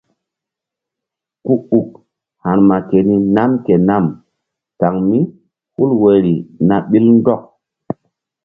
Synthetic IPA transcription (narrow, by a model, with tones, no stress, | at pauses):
ku˦u˨k̚ | ha˨nma˨ke˨ni˦na˦mke˨na˦˨m | ta˨ŋmi˦ | hu˦lwe˨ɾi˨na˨ɓi˦ln˦dɔ˦k̚